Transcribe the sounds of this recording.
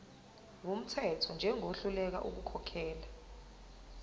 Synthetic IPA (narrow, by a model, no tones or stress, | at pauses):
wum̩tʰɛtʰɔnd͡ʒʱɛŋʱoɬulɛk̬a̰ʔuk̬ukʰɔkʰɛːla